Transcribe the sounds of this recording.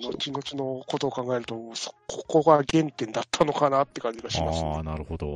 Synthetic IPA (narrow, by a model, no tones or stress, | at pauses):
no̞t͡ɕino̞t͡ɕino̞ko̞t̪o̞ːkãŋɡae̞ɾɯ̟t̪omoːso̥kʰoko̞ɡaɡẽ̞nt̪ẽ̞nd̪at̪ʰːano̞kanat̪ːe̞kãɲ̟d͡ʑiɡaɕiamasnaɾɯ̟hod̪o